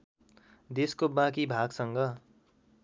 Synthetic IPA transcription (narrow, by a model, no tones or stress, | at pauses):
d̪eskobãk̬ibʱaɡsʌŋɡʌ